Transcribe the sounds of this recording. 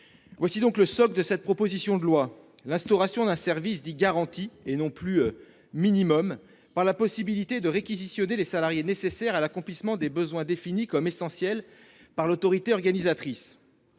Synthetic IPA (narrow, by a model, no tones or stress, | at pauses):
vwasid̪ɔ̃kləsɔkd̪əsɛt̪̚pχɔpozisjɔ̃d̪əlwa | lɛ̃st̪ɔʁasjɔ̃d̪ɛ̃sɛʁvisd̪iɡaʁɑ̃t̪ienɔ̃ply | minimɔm | paʁlapɔsibilit̪ed̪əʁekʲizisjɔnelesalaʁjenesesɛʁalakɔ̃plismɑ̃d̪ebəzwɛ̃d̪efinikɔmesɑ̃sjɛl | paʁlot̪ɔʁit̪eɔʁɡanizat̪χis